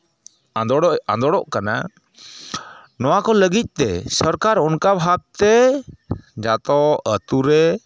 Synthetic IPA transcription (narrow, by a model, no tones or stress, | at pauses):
a̰d̪ɔɽɔʔkana̰ | nɔwakɔləɡic̪̚ˀt̪ɛsɔɾkaɾɔnkabɦak̚t̪ɛ | d͡ʒat̪ɔət̪uɾɛ